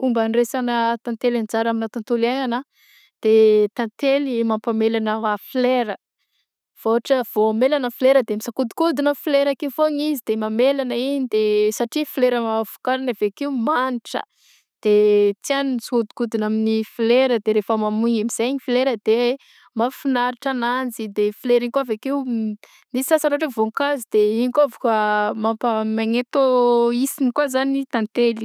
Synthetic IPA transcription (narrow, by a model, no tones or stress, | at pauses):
umbanresanət̪ãnt̪elant͡saɾaminat̪ant̪ulaŋana | d̪̥et̪ant̪elimampamelanəafileɾə | v̥oaʈ͡ʂəv̥oamelanəfileɾəd̪emisakud̪u̥kud̪inəfileɾakeufoɲizid̪̥emamelanəiɲid̪esaʈ͡ʂifileɾəmavu̥kaɾanavekiumaniʈ͡ʂə̰ | d̪̥et͡sianinisud̪u̥kud̪inaminifileɾəd̪eɾefəmamuɲemiz̥eɲifileɾəd̪̥e | mafinaɾiʈ͡ʂanand͡zid̪efileɾiɲkwavekew | nisisasanaʈ͡ʂevoŋkazid̪eiɲikoavokəmampamaŋet̪oisinikwazanit̪ant̪eli̥